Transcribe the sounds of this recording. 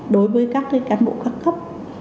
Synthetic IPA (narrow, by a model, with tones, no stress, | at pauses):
ɗo˨˦jvəː˨˦jkaː˦˥k̚kaː˨˦nɓo̰˧˨kaː˦˥kxə˦˥p̚